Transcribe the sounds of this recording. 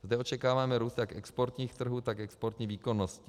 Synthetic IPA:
zdɛo̞t͡ʃɛkaːvaːmɛɾuːst̪jakʔɛkspo̞ɾt̪ɲiːxt̪r̩ɦuːt̪akɛkspoɾt̪ɲiːviːko̞noscɪ

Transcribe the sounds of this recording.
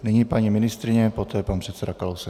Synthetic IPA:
nɪɲipaɲimɪnɪst̪ɾɪɲɛpot̪ɛːpanpr̥ɛt̪sɛdakalowsɛ

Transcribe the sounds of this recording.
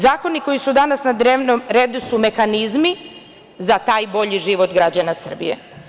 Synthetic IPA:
zaːko̞niko̞isud̪anasnad̪ɾeːʋnomɾeːd̪usume̞xanizmi | zat̪aːjbo̞ʎiʒiʋo̞t̪ɡɾad͡ʑanasr̩bḭjḛ

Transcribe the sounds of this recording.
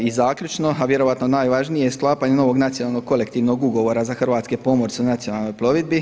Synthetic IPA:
izaːkʎut͡ʃno̞aʋje̞ɾo̞ʋat̪no̞naːjʋaʒnijejesklˠaːpaːɲeno̞ʋo̞ɡnat̪sijonaːlˠnoɡkːo̞le̞kt̪iːʋno̞ɡuɡo̞ʋo̞ɾazaxr̩ʋaːt̪kepo̞moɾseunat̪sijo̞nalˠno̞jplˠo̞ʋid̪̚bi

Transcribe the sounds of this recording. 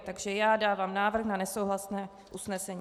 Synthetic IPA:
t̪aɡʒɛjaːdaːvaːmnaːvr̩xnanɛsowɦlasnɛː | ʔusnɛsɛɲiː

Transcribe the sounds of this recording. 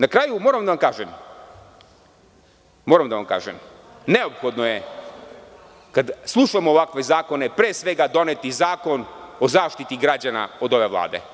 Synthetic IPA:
nakɾaːjumoːɾamd̪aʋamkaːʒem | moːɾamd̪aʋamka̰ːʒem | ne̞o̞pxo̞d̪no̞je | kad̪slˠuʃamoːʋakʋe̞zaːko̞ne̞pɾeːsʋe̞ɡad̪o̞net̪izaːko̞no̞zaːʃt̪it̪iɡɾad͡ʑana̰o̞d̪o̞ʋe̞ʋlˠa̰ːd̪e̞̰

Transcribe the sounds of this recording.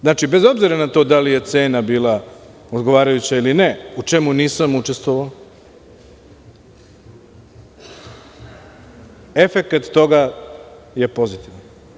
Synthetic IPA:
znaːt͡ʃibe̞zo̞bziɾanat̪o̞d̪alije̞t̪se̞ːnabiːlˠa | od̪ɡo̞ʋaːɾajut͡ɕailine̞ut͡ʂe̞muniːsamut͡ʃest̪ʋoʋao | e̞fe̞kat̪ːo̞ɡa | je̞po̞zit̪iʋan

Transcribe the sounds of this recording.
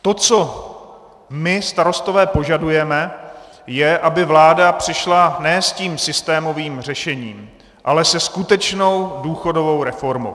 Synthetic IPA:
t̪o̞t͡so̞ | mɪst̪aɾo̞st̪o̞vɛːpo̞ʒadujɛmɛ | jɛʔabɪvlaːdapr̝̥ɪʃlanɛːsciːmsɪst̪ɛːmo̞viːmr̝ɛʃɛɲiːm | ʔalɛsɛskut̪ɛt͡ʃno̞wduːxo̞do̞vo̞wɾɛfo̞ɾmo̰w

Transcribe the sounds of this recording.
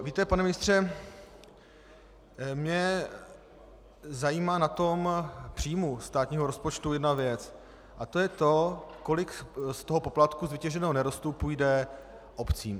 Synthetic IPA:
viːt̪ɛpanɛmɪnɪst̪r̝̥ɛ | mɲɛ | zajiːmaːnat̪o̞mpr̝̥ijmust̪aːt̪ɲiːɦo̞ɾo̞spo̞t͡ʃt̪ujɛdnavjɛt͡s | ʔat̪o̞jɛt̪o̞ko̞lɪkst̪o̞ɦo̞po̞plat̪kuzvɪcɛʒɛnɛːɦonɛɾo̞st̪upujdɛ | ʔo̞pt͡siːm

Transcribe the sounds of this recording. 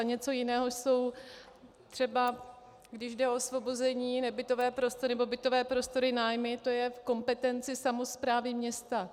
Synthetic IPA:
aɲɛt͡so̞jɪnɛːɦo̞ʃso̞w | t̪r̝̥ɛba | ɡdɪʒdɛosvo̞bozɛɲiːnɛbɪt̪o̞vɛːpɾo̞st̪oɾɪnɛbo̞bɪt̪o̞vɛːpɾo̞st̪o̞ɾɪnaːjmɪt̪o̞jɛfko̞mpɛt̪ɛnt͡sɪsamo̞spɾaːvɪmɲɛst̪a

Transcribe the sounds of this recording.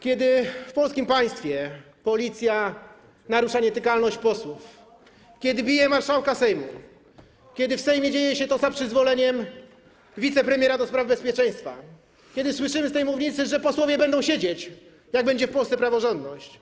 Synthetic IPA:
kʲɛd̪ɘfpɔlskʲimpaj̃st̪fʲjɛ | pɔlʲit̪sʲja | naɾuʂaɲɛt̪ɘkalnɔɕt͡ɕpɔswuf | kʲjɛd̪ɘbʲijɛmaɾʂawkasɛjmṵ | kʲjɛd̪ɘfsɛjmʲjɛd͡ʑejɛɕɛt̪ɔzapʂɘzvɔlɛɲɛm | vʲit̪sɛpɾɛmʲjɛɾad̪ɔspɾavbɛspʲjɛt͡ʂɛ̃j̃st̪fa̰ | kʲɛd̪ɘswɘʂɘmɘst̪ɛjmuvɲit̪sɘʐɛpɔswɔvʲjɛbɛnd̪ɔw̃ɕed͡ʑet͡ɕ | jaɡ̚bɛɲd͡ʑɛfpɔlst̪sɛpɾavɔʐɔnd̪nɔɕt͡ɕ

